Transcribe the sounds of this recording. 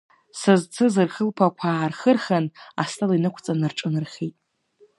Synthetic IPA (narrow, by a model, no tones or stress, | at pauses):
sɨzt͡sʰɨzɨrχəlpʰakʷʰaːrχərχana̰stʰʼalinɨkʷʰt͡sʼanɨrʈ͡ʂʼɨnɨrχʲejtʼ